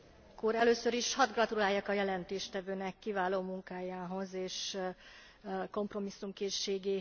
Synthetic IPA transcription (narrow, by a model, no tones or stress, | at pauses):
koɾɛløːsøɾiʃhɒd̪ɡrɒt̪ulaːjakɒjɛlɛnt̪eːʃt̪ɛvøːnɛkːivaːloːmuŋkaːjaːɦo̞zeːʃ | ko̞mpro̞misːumkeːʃːeːɡeː